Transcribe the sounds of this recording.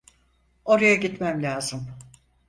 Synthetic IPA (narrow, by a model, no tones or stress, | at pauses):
o̞ɾajaɟit̪mæmlʲaːzɯm